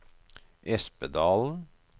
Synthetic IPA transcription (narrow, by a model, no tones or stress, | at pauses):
ʔɛspəd̪ɑːln̩